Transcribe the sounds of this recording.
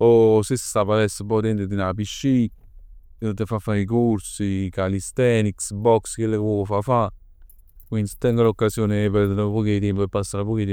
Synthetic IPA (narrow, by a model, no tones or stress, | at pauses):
osessapalɛsːepɔt̪ɛnt̪ed̪inapiʃːi | t̪ːefafːaɾik̬oɾsikalist̪ɛniksbɔkskelːekwɔːkofafa | kwind̪isi̥t̪ːɛŋɡalokːasjoːnepɛrd̪eɾapɔkit̪ɛmpoepːasːaɾapɔːkit̪ɛ